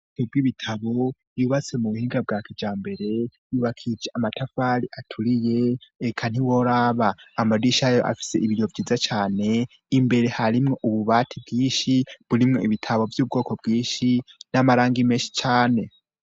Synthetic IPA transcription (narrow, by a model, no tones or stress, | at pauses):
obɡiβitʰaβo̞ | juβat͡se̞muβuhiːŋɡab̚ɡaːkid͡ʒaːmbe̞ɾe̞juβakʰid͡ʒeamatafaɾiatʰuɾije̞ːkʰan̥iwo̞ɾaβaːmadiʃajoʔa̰fi̥se̞̰ʔiβiɾjovjiːzat͡ʃaːne̞ | imbe̞ɾe̞haɾimŋo̞ʔuβuβaːtʰibɡiːʃiβuɾimŋo̞iβitʰaβo̞vjuːb̚ɡo̞ːko̞bɡiːʃinamaɾaːŋɡime̞ːnʃi̥t͡ʃaːne̞